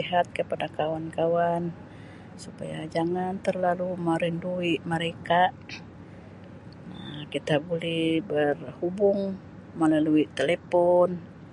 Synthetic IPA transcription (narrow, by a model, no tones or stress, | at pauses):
iɦat̪̚kəpadakawankawan | supa̰ja̰d͡ʒaŋant̪ərlaluməɾinduiməɾeka | kit̪abulɛhbərhubʊŋ | məlaluit̪elepɔn